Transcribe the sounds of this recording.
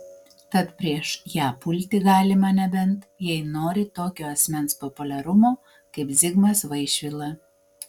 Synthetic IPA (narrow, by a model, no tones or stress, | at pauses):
t̪ɐt̪pʲɾʲiɛʃjæːpʊlʲt̪ʲɪɡɑːlʲɪmɐnʲɛbʲɛnt̪jɛɪnoːɾʲɪt̪oːkʲoːɐsʲmʲɛnspɔpʊlʲɛɾʊmoː | kɐɪpzʲɪɡmɐsʋɐɪʃʲʋʲɪlˠɐ